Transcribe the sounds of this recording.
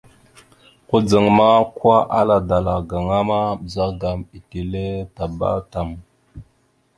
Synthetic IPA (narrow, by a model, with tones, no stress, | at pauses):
ku˦d͡zə˨ŋma˦kwa˦ʔa̰˦la˨da˨la˨ɡa˨ŋa˦ma˦bza˦ɡa˨mi˨ti˨le˦ta˨ba̰˦ta˨m